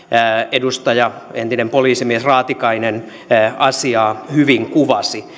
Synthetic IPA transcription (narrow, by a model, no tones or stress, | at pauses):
edust̪ɑjɑent̪inempoliːsimiesrɑːt̪ikɑinen | ɑsiɑːhyʋiŋkuʋɑsi